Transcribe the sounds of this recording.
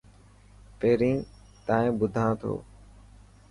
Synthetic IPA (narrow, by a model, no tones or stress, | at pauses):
peːɾĩː | t̪aːẽːbʊd̪ʱãːt̪ʰo̰ː